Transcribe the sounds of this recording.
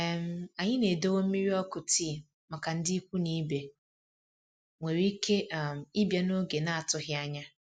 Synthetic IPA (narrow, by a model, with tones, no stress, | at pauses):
m̩˨a˨ɲɪ˦ne˨do˦wo˦m̩˦mi˦ɾi˦ɔ˦kʊ˨ti˦˨ | ma˨ka˨n̩˦dɪ˦i˦kʷu˦ni˦be˨ | ŋʷe˨ɾi˦ke˦˨m˨i˦bja˦no˦ɡe˨na˦a˨tʊ˨ɦɪ˦a˦ɲa˦